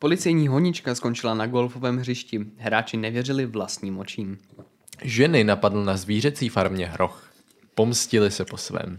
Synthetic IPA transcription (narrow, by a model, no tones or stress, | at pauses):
po̞lɪt͡sɛjɲiːɦoɲɪt͡ʃkasko̞nt͡ʃɪlanaɡo̞lfovɛːmɦrɪʃcɪɦɾaːt͡ʃɪnɛvjɛrɪlɪvlast̪ɲiːmo̞t͡ʃiːm | ʒɛnɪnapadl̩nazviːrɛt͡siːfaɾmɲɛɦɾʔo̞̰x | po̞mscɪlɪsɛpo̞svɛ̰ːm